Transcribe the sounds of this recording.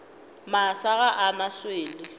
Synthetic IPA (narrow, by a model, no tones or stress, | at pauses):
masaɣaʔanasweːlɪ